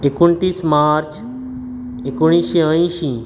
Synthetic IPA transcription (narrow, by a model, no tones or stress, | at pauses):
ɪkʊnt̪iːsmaːɾt͡ʃ | ɪkʊɽ̃iːʃiə̃ĩʃĩː